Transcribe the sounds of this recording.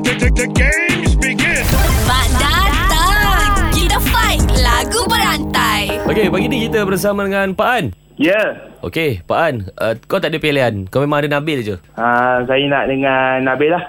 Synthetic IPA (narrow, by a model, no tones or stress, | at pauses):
ət̪ətəkespikətband͡ʒat̪əkidəfajklaɡubəɾant̪ajokebaɡinikit̪əbərs̬amãdəŋãnpaʔan | jəʔo̰kepaʔanʔəkat̪aʔdipeleankawmẽmãŋadənãbɪlad͡ʒuasajənaʔdəŋanːabɪlah